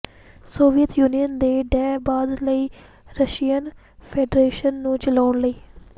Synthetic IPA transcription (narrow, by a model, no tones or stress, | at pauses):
soːʋijət̪juːnijənd̪eːɖɛːbaːd̪ləiː | ɾəʃiːjən | pʰeːɖɾeːʃənːũːt͡ʃəlaːɳləiː